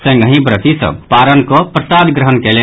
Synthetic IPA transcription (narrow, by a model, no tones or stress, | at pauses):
sə̃ŋɡʱə̃ɦĩbɾət̪isə̰bpaɾənkɔpɾəsad̪ɡɾəɦənkɛle